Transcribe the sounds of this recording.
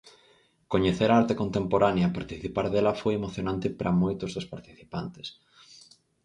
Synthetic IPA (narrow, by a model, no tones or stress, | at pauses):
koɲeθeɾaaɾt̪ekont̪empoɾanjapaɾt̪iθipaɾðelɐfojemoθjonãnt̪ɪpɾʔɐmojt̪ʊzðospaɾt̪i̥θi̥pant̪e̥s